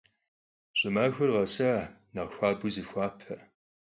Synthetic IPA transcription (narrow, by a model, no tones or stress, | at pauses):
ɕʼɪmaːxʷɐrʁɐsɐnɐʁxʷaːbʷʊzɨxʷɑːpʰɐ